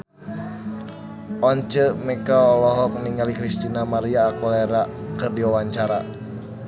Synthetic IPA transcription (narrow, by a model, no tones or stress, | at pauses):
ʔɔɲt͡ʃəmɛkaɔlɔɦɔkniŋalikɾist̪inamaɾiaːkɔlɛɾakɨrdiwawaɲt͡ʃaɾa